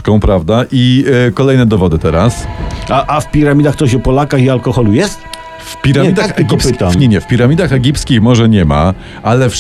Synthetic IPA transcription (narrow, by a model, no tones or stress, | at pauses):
kɔ̃w̃pɾavd̪aʔikɔlɛjnɛd̪ɔvɔd̪ɘt̪ɛɾasaʔafpʲiɾamʲid̪axt̪ɔɕɔpɔlakaxialkɔxɔlujɛst̪ | fpʲiɾamɛid̪aɡipskt̪amɲɛɲɛfpʲiɾamʲid̪axɛɡʲipskʲixmɔʐɛɲɛma̰ | alɛfʂ